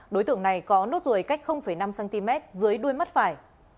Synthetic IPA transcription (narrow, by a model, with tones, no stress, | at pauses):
ɗo˨˦jt̪ɨ̰˧˨əŋna˨˩jkɔ˨˦no˦˥t̚zu˨˩jka˦˥jk̚xə˧wŋ͡mfə˧˩jna˧msɛ˧nt̪i˧mɛ˦˥t̚zɨ˨˦əjɗu˧əjmə˦˥t̚faː˧˩j